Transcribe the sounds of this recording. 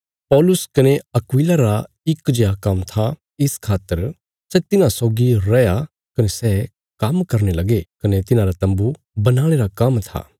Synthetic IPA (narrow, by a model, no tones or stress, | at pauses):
pɔːlʊskɐneɐkwiːlaɾa | ɪkd͡ʒeakɐmt̪ʰa | ɪskʰaːt̪ːəɾ | sɛt̪ɪnãsɔːɡiɾɛja | kɐnesɛː | kɐmkɐɾnelɐɡekɐnet̪ɪnãɾat̪ɐ̃mbu | bɐnaːɽ̃eɾakɐmt̪ʰa̰ː